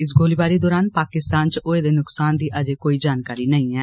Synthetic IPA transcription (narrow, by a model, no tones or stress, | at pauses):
ɪs̬ɡʱoːliːbaːɾiːd̪ɔːɾaːnpaːkɪst̪aːnt͡ʃoeːd̪eːnʊksaːnd̪iːʔəd͡ʒeːkoːiːd͡ʒaːnkaːɾiːnəĩːɛː